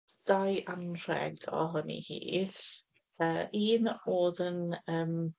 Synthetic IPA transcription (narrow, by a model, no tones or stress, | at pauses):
d̥ajʔanr̥ɛ̰ɡɔ̰ɦʊnḭhḭːɬ | əːʔiːnoːðənəːm